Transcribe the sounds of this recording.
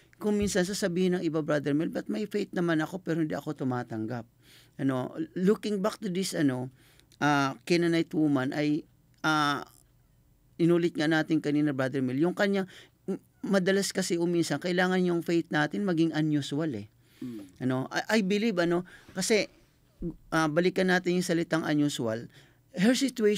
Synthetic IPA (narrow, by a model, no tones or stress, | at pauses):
kʊŋminsɐns̬asɐbiːhɪnɐŋɪbabɹad̪ɛɹmilbɐt̪̚mɐjfejt̪̚nɐmanɐko̞pɛːɾoɪnd̪ḭʔɐko̞t̪ʊmaːt̪ɐŋɡap̚ | ʔɐno̞lukɪŋbak̚t̪ʊd̪ɪsʔɐno̞ | ʔaːkɛnɐnɐjt̪wuːmanʔɐj | ʔa | ʔɪnuːlɪt̪̚ŋanaːt̪ɪŋkɐniːnɐbɹad̪ɛɹmiljʊŋkɐɲa | mɐd̪ɐlaskɐsɛʔʊminsɐnkɐʔɪlaːŋɐnjʊŋfejt̪̚naːt̪ɪnmɐɡɪŋʔɐnjuswalɛ | ʔɐno̞ʔʔɐjbɪlibɐno̞kɐsɛ | ʔabɐlɪkɐnːaːt̪ɪnjʊŋsɐlɪt̪aŋʔɐnjuswɐl | hɛɹsɪt̪ʊɛ